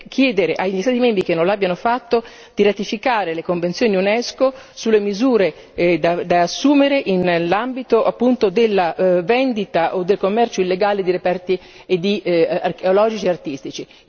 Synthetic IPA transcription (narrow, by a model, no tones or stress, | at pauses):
k̟ʰjɛːd̪eɾeʔaʎist̪aːt̪imɛmbɾikenːõlabːjanofat̪ːo | d̪̥iɾat̪ifikaːɾelekoɱvent̪sjoːniunɛsko | sulːemizuːɾe | d̪ad̪aːsːuːmeɾeʔinlambit̪oʔapːunt̪od̪elːavɛnd̪it̪aʔod̪ːelkomːɛrt͡ʃoilːeɡaːled̪iɾepɛrt̪i | ed̪ːiarkeolɔːd͡ʒit͡ʃieart̪ist̪it͡ʃi